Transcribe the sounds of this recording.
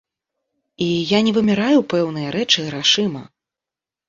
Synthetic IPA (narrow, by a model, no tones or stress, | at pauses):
ijanʲɛvɨmʲiɾajupɛwnɨjɐɾɛt͡ʂɨɾaʂɨmɐ